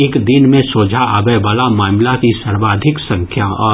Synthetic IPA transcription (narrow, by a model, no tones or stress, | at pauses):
ɪkd̪ɪnmẽsoːd͡ʒʱaʔəbɛjbalamaːmlakisɐɾʋaːd̪ʱɪksɐ̃ŋkʰjaɔː